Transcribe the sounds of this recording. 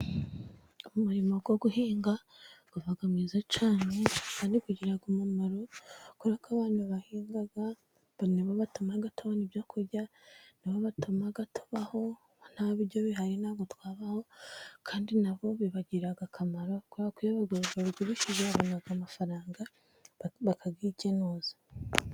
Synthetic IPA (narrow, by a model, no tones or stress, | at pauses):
umuɾimo̞ɡwoɡuɦiːŋɡa | ɡ̥uvaɡamŋiːzat͡ʃaːnekandiɡuɟiɾaɡumumaɾokoɾakaβaːnhuβahiːŋɡaɡa | niβoβatumaɡatoβanibjokʰuɾɟa | niβoβatumaɡato̥βaho̞ | n̥haβiɾɟoβiɦaɾinaɡotwaːβaho̞kʰaːndinaβo̞βiβaɟiɾaɡakʰamaɾokoɾakujaβaɡoɾoɡaɡwiβiʃizeaβonaɡamafaɾaːŋɡa | βakʰaɡiɟenoːzḁ